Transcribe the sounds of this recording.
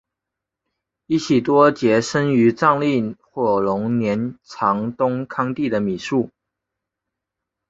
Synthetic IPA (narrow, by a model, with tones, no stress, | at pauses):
i˥˩t͡ɕʰi˨˩t̪wɔ˥t͡ɕjɛ˧˥ʂə˥ny˧˥ʈ͡ʂɑ˥˧ŋli˥˩xwɔ˥˩lʊ˧˥ŋnjɛ˧˥nt͡sʰɑ˧˥ŋt̪ʊ˥ŋkʰɑ˥ŋt̪i˥˩d̪ə˩mi˨˩ʂu˥˩